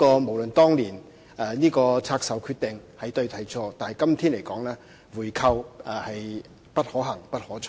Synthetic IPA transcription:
kɔː˧mo˨˩wlɵ˨nt̪ɔː˥ŋliː˨˩n | ɛ˧niː˥kɔː˧t͡sʰaː˧k̚sɐ˨wkʰyː˧t̪ɪ˨ŋhɐ˨jt̪ɵ˧ɥt̪ʰɐ˨˩jt͡ʃʰɔː˧t̪aː˨nhɐ˨˩jkɐ˥mt̪ʰiː˥nle˨˩jkɔː˨˥ŋlɛː˥ | wuː˨˩jkʰɐ˧whɐ˨j | pɐ˥t̚hɔː˨˥ɦɐ˨˩ŋpɐ˥t̚hɔː˨˥t͡ʃʰː

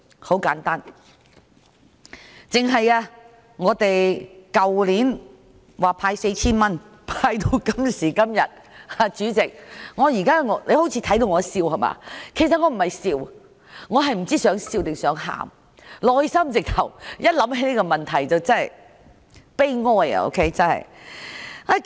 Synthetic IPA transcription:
ho˨˥wkaː˨˥nt̪aː˥n | t͡sɪ˨ŋɦɐ˨jaː˧ | ŋɔː˨˧t̪e˨jkɐ˨wliː˨˥n | waː˨pʰaː˧jse˧jt͡sʰiː˥nmɐ˥n | pʰaː˧jt̪o˧wkɐ˥msiː˨˩kɐ˥mjɐ˨t̚ | aː˧t͡ʃyː˨˥t͡sɪ˨k̚ŋɔː˨˧jiː˨˩kaː˥ŋɔ˨˧le˨˧ho˨˥wt͡sʰiː˧t̪ʰɐ˨˥jt̪o˧wŋɔː˨˧˥siː˧whɐ˨jma̰ː˧kʰe˨˩js̬ɐ˨t̚ŋɔ˨˧m̩˨˩hɐ˨jsiː˧w | ŋɔː˨˧ɦɐ˨jm̩˨˩t͡siː˥sœː˨˥ŋsiː˧wt̪ɪ˨ŋsœː˨˥ŋɦa̰ː˨˩m | lɔː˨jsɐ˥mt͡sɪ˨k̚t̪ʰɐ˨˩wjɐ˥t̚lɐ˨˥mhe˨˥ni˥kɔ˧mɐ˨nt̪ʰɐ˨˩jt͡sɐ˨wt͡sɐ˥nɐ˨j | pe˥jŋɔː˥j̰o̰ː˧˥wkʰe˥jt͡sɐ˥nɦɐ̰˨j | a˧˩

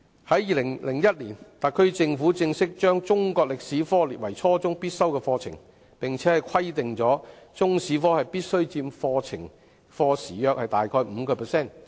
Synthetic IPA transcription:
hɐ˨˥jːiː˨lɪ˨˩ŋlɪ˨˩ŋjɐ˥t̚liː˨˩nt̪ɐ˨kʰɵ˥ɥt͡sɪ˧ŋfuː˨˥t͡sɪ˧ŋsɪ˥k̚t͡ʃœː˥ŋt͡sʊ˥ŋkɔː˧k̚lɪ˨k̚siː˨˥fɔː˥liː˨˩wɐ˨˩jt͡sʰɔː˥t͡sʊ˥ŋpiː˥t̚sɐ˥wkɛː˧fɔː˧t͡sʰɪ̰˨˩ŋ | pɪ˨ŋt͡sʰɛː˨˥hɐ˨˩jkʰɐ˥jt̪ɪ˨ŋt͡sɔː˨˥t͡sʊ˥ŋsiː˨˥fɔː˥hɐ˨jpiː˥t̚sɵ˥ɥt͡siː˧mfɔː˧t͡sʰɪ˨˩ŋ | fɔː˧siː˨˩jœː˧k̚hɐ˨jt̪aː˨jkʰɔː˧jm̩˨˧kɔː˧pʰɛː˨˩sɛː˥˩n

